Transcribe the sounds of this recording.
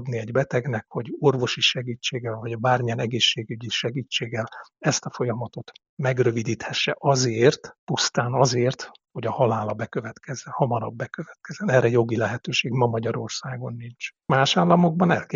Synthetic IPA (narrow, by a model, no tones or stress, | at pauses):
d̪niɛɟbɛt̪ɛɡnɛkho̞ɟo̞rvo̞ʃiʃɛɡit͡ʃːeːɡɛlvɒɟbaːrmijɛnɛɡeːʃːeːɡyɟiʃɛɡiːt͡ʃːeːɡːɛlɛst̪ɒfo̞jɒmɒt̪o̞t̪ | mɛɡrø̞vid̪iːt̪hɛʃːɛʔɒzeːrt̪pust̪aːnɒzeːrt̪ | ho̞ɟɒhɒlaːlɒbɛkø̞vɛt̪kʰɛzːɛnhɒmɒɾɒ̰bːɛkøvɛt̪kɛzɛnɛːrɛjo̞ɡilɛɦɛt̪øːʃeːɡmɒmɒɟɒɾo̞rsaːɡo̞nːint͡ʃmaːʃaːlːɒmo̞ɡ̚bɒnɛlkː